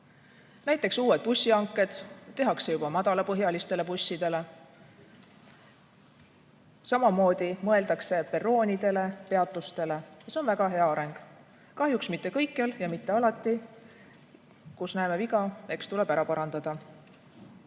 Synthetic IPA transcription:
næjt̪ːˑe̞ksuːwe̞d̪̥̚pusːiɑŋkːˑe̞d̪̥ːe̞ɦɑkse̞jub̥ɑmɑd̪̥ɑlɑpɤɦjɑlist̪e̞le̞pusʲːid̪e̞le̞ | sɑmɑmo̞ːd̪̥imɤ̞e̞ld̪ɑkse̞pe̞ro̞ːnʲid̪̥e̞le̞pe̞ɑt̪ːˑust̪e̞le̞jɑseo̞nvæɡ̥ɑɦe̞ɑɑɾe̞ŋɡ̥ | kɑɦjuksmit̪ːe̞kɤjkːˑeljɑmit̪ːe̞ɑlɑt̪ˑːi | kusnæemeviɡɑe̞kst̪ule̞b̥æɾɑpɑɾɑnd̪̥ɑd̪̥ɑ

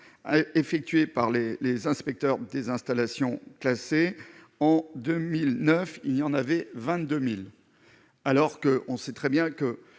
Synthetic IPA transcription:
efɛk̚t̪ɥepaʁlelezɛ̃spɛk̚t̪œʁd̪ezɛ̃st̪alasjɔ̃klase | ɑ̃d̪ømilnœfilijɑ̃navɛvɛ̃t̪̚d̪ømil | alɔʁkəʔɔ̃sɛt̪χɛbjɛ̃kə

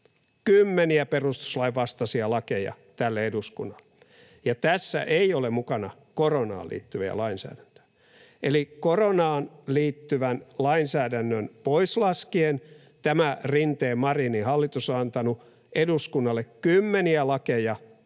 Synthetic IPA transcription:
kymːeniæperust̪u̥slɑiʋʋɑst̪ɑsiɑlɑkejɑ̰ | t̪ælːeeduskṵnːɑl̥ːe̥ | jɑt̪æsːæ̰ʔeiolemukɑnɑ | koronɑ̰ːlḭːt̪ːyʋiæ̰lɑinsæ̰ːdænt̪ø̥jæ | ʔelikoronɑːnliːt̪ːyʋænlɑinsæːdænːønpoislɑskien | t̪æmærint̪eːmmɑrinihɑlːit̪usoɑnt̪ɑnu | eduskunːɑlːekkymːeniælɑkejɑ

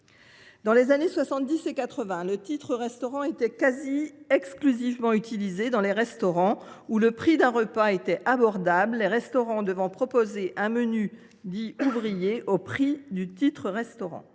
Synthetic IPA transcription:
d̪ɑ̃lezaneswasɑ̃t̪̚d̪isekat̪χəvɛ̃lət̪it̪χəʁɛst̪ɔʁɑ̃et̪ɛkaziɛksklyzivmɑ̃yt̪ilized̪ɑ̃leʁɛst̪ɔʁɑ̃uləpχid̪ɛ̃ʁəpaet̪ɛabɔʁd̪ablːeʁɛst̪ɔʁɑ̃d̪əvɑ̃pχɔpozeʔɛ̃məny | d̪iuvʁijeʔopχid̪yt̪it̪χəʁɛst̪ɔʁɑ̰̃

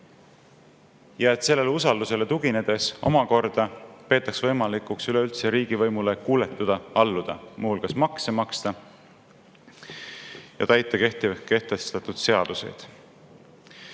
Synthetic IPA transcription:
jɑe̞t̪ˑse̞lːe̞leusɑld̪use̞le̞t̪uɡ̥ine̞d̪̥e̞so̞̰mɑko̞rd̪̥ɑpe̞ːt̪ːˑɑksvɤ̞jmɑlikˑuksyle̞ylt̪seɾiːɡ̥ivɤ̞jmule̞kuːle̞t̪ːˑud̪̥ɑɑlːud̪̥ɑ̰mʔuhulkɑsmɑksemɑkst̪ɑ | jɑ̰t̪æjt̪ːˑɑke̞ht̪ike̞ht̪est̪ɑt̪ˑud̪̥se̞ɑd̪̥use̞̰jd̪̥

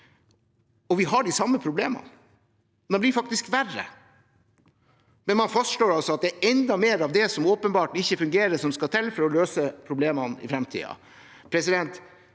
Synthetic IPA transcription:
ɔʋɪɦɑɖɪsɑmːəpʰɾʊbleːmɑ̰n | d̪ɛnblɪɾfɑkt̪ɪskʋærə̰ | mɛnmɑnfɑst̪ʂɭoːɾɑlsɔɑt̪̚d̪ɛʔɛnd̪ɑmeːɾɑʋd̪ɛsɔmoːpənbɑːʈɪçːəfʉŋɡeːɾəsɔmskɑt̪ʰɛlfɔɾɔløːsəpʰɾʊbleːmɑnɪ̰fɾɛmt̪ʰḭːɑ̰ | pʰɾɛsɪd̪ɛnt̪

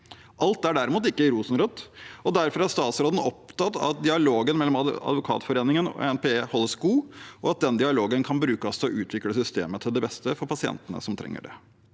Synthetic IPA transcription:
ʔɑlt̪æɖæɾɪmuːt̪̬ɪkːəɪɾuːsn̩ɾɔt̪ːɔd̪æɾfɔɾæʂt̪ɑːt̪sɾoːd̪n̩ɔpt̪ɑt̪ːɑ̰t̪̚d̪ɪɑloːɡənmɛlːɔmɑ̰d̪ʋʊkʰɑ̰ːt̪fɔɾeːnɪŋənɔ̰ɛnpʰehɔlːəsɡuːʔɔɑt̪̚d̪ɛnd̪ɪɑloːɡənkʰɑnbɾʉːkəst̪ɔʔʉːt̪ʰʋɪkləsʏst̪ḛːmət̪ʰɪld̪ɛbɛst̪əfɔɾpʰɑsɪɛ̰nt̪ənə̰sɔmt̪ʰɾʔɛ̰ŋːə̰ɖɛ̰

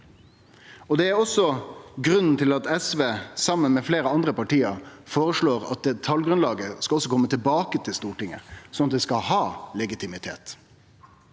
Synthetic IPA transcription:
ɔd̪ɛæɾɔsɔɡɾʉnn̩t̪ʰɪlɑt̪ɛsʋeːsɑmːənmɛfleːɾəɑnd̪ɾəpɑʈiːəɾfoːɾəʂɭoːɾɑ̰t̪̚d̪ɛt̪ʰɑlɡɾʉnlɑːɡəskɑɔsːɔkʰɔmːət̪ʰɪlbɑːkət̪ʰɪlst̪uːʈɪŋə̰sɔnɑt̪̚d̪ɛskɑhɑːlɛɡɪt̪ʰɪmɪt̪ʰḛːt̪

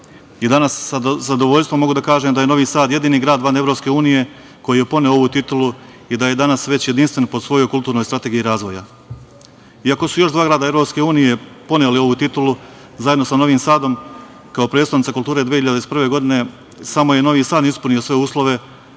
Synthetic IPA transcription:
jid̪anaszad̪oʋo̞ʎʲst̪ʋomːo̞ɡud̪akaːʒeːmd̪ajeno̞ʋiːsaːd̪jed̪iːniːɡɾaːd̪ʋanevɾo̞ːpske̞uːnije̞ | ko̞jije̞po̞neooʋut̪it̪ulu | id̪aje̞d̪anasʋe̞t͡ɕjed̪inst̪ʋe̞npo̞d̪sʋo̞jo̞jkult̪uːɾno̞jst̪ɾat̪eɡijiɾaːzʋo̞ja | iako̞sujo̞ʒd̪ʋaːɡɾaːd̪ae̞vɾo̞pske̞uːnije̞po̞nelio̞ʋut̪it̪ulu | zajed̪no̞sano̞ʋiːmsaːd̪o̞m | kaopɾet̪st̪aʋnit̪akulˠt̪uːɾe̞d̪ʋiehiʎad̪eispr̩ʋe̞ːɡo̞d̪ine̞ | samo̞jeno̞ʋiːsaːnispunijosʋe̞uːslˠo̞ʋe̞

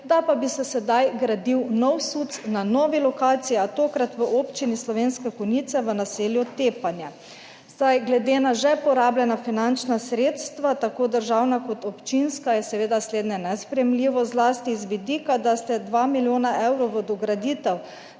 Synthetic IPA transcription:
d̪apabisɛsɛd̪ajɡɾad̪iwnɔwsut̪snanɔːʋilɔkaːt̪siiat̪oːkɾat̪ʋəʔoːpt͡ʃinislɔʋeːnskɛkɔnit̪sɛʋənaseljɔt̪eːpanjɛ | sajɡlɛd̪eːnaʒɛpɔɾaːbljɛnafinant͡ʃnasɾeːt̪st̪ʋat̪akoːd̪əɾʒaːwnakɔt̪ɔpt͡ʃinskajɛsɛʋeːd̪asleːd̪nɛnɛspɾɛjɛmliːʋɔzlast̪izʋid̪ikad̪ast̪ɛd̪ʋamiljoːnaɛwɾɔwʋəd̪ɔɡɾad̪iːt̪ɛw

